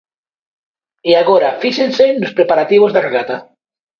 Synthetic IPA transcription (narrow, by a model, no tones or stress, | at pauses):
iaɣoɾafiʃensenospɾepaɾat̪iβ̞ozðareɣat̪a